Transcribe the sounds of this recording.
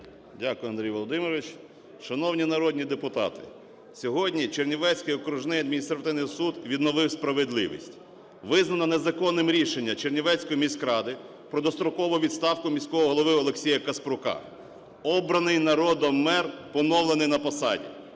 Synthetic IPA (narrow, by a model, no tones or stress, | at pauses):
dʲakʊjʊɐnd̪ɾʲijʋɔlˠɔd̪ɪmɪɾɔʋʲɪt͡ʃ | ʃɐnɔwnʲinɐɾɔd̪ʲnʲid̪epʊt̪ɑ̰t̪ɪ̥̰ | sʲɔɦɔdʲnʲit͡ʃernʲiʋɛsʲkɪjɔkɾʊʒnɪjɐd̪mʲinʲist̪ɾɐt̪ɪʋnɪjsud̪ʋʲid̪nɔʋɪwspɾɐʋed̪lˠɪ̰ʋʲḭsʲtʲ | ʋɪznɐnɐne̞zɐkɔnːɪmɾʲiʃenʲːɐt͡ʃernʲiʋɛsʲkɔjimʲiskɾɑd̪ɪ | pɾɔd̪ɔst̪ɾʊkɔʋʊʋʲidt̪st̪ɑwkʊmʲisʲkɔɦɔɦɔlˠɔʋɪɔlˠe̞ksʲijɐkɐspɾʊkɑ̰ | ɔbɾɐnɪjnɐɾɔd̪ɔːɛrpɔnɔwlˠenɪjnɐpɔsɑdʲḭ